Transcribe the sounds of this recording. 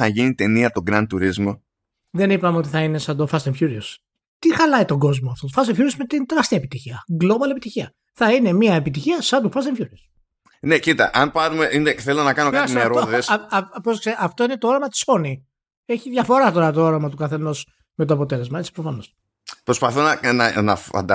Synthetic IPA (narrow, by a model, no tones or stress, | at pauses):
ɐʝinit̪e̞niɐt̪o̞ɡɾɐnt̪uɾizmo̞ | ðe̞nipɐmeo̞t̪iθɐine̞sɐnd̪ofɐseɱfçuɾios | t̪ixɐlɐit̪o̞ɡo̞zmoɐft̪ot̪fɐst̪efçuɾiosmet̪int̪eɾɐst̪iɐepit̪içiɐɡlo̞bɐlie̞pit̪içiɐ | θɐine̞miɐepit̪içiɐsɐnd̪ofɐst̪eɱfçuɾios | necit̪ɐ̰ʔɐnpɐɾumeineθelonɐkɐnokaimeɾoðesposkseʔɐft̪o̞ine̞t̪oo̞ɾɐmɐt̪i̥so̞ni | e̞çiðʝɐfo̞ɾɐt̪o̞ɾɐt̪oo̞ɾɐmɐt̪ukɐθe̞no̞s | met̪oɐpo̞t̪e̞le̞zmɐet͡si̥pɾofɐno̞s | pɾo̞spɐθonɐnɐnɐ̰ɐ̰nd̪ɐ